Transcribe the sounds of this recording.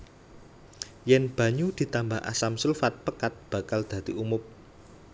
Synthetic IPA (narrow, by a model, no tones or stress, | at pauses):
jɛnb̥a̤ɲud̪̥i̤t̪ambaɦa̰samsulfat̪̚pəkat̪̚b̥a̤kald̪̥a̤t̪iumʊp̚